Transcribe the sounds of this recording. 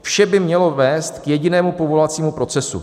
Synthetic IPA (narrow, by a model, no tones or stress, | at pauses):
fʃɛbɪmɲɛlo̞vɛːst̪kjɛɟɪnɛːmupo̞vo̞lat͡siːmupɾo̞t͡sɛsṵ